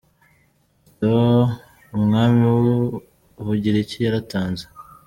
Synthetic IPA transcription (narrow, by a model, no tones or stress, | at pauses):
to | umŋaːmiwu | βuɟiɾecijaɾataːnze̥